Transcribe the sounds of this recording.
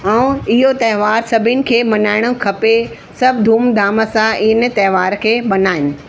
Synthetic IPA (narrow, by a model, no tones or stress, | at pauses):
ɛũɪɦot̪ɐɦɪʋaːɾsɐbʱɪnɪ̆kʰeːmɐnaːɪɽ̃ʊkʰɐpe | sɐbʱd̪ʱuːmd̪aːməsãɪn̆t̪ɐɦʋaːɾkʰeːbɐnaːɪnɪ̆